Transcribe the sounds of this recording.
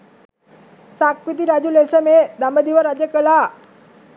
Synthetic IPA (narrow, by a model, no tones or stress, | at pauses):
sakʋit̪̬iɾad͡ʑulesəmed̪ambəd̪iʋəɾad͡ʑjəkəɭa